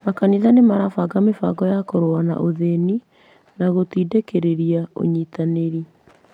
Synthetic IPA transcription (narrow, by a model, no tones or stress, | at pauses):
makaniðanemaɾafaɡamefa̰ɡɔjakɔɾoana̰ʔoðeni | naɣotiːdekeɾeɾiao̰ɲiːtaneɾi